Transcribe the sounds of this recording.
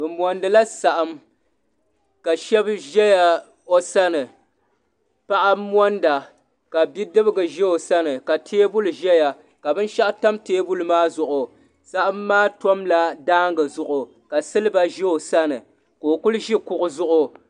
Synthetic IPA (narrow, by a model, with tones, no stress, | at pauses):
bɨ˨mɔ˨ndɨ˨la˦sa˨ʔa˦m | ka˨ʃɛ˦bʒɛ˦ja˨ | o˦sa˦nɨ˨ | pa˦ʔa˦mɔ˦nda˨ | ka˨bi˦dɨ˦bɨ˦ɡɨ˨ʒɛ˦o˨sa˦nɨ˨ka˨tʰeː˦bʊ˦lɨ˨ʒɛ˦ja˨ | ka˨bɨ˦n˦ʃa˦ʔta˦mteː˦bu˦lɨ˨maː˦zʊ˨ʔʊ˨ | sa˦ʔa˦mːaː˦tɔ˦mla˦daː˦ŋɡɨ˨zʊ˨ʔʊ˨ | ka˨sɨ˦lɨ˦ba˦ʒɛ˦o˨sa˦nɨ˨ | koː˨kʊ˦lʒi˦kʊ˦ʔʊ˨zʊ˦ʔʊ˦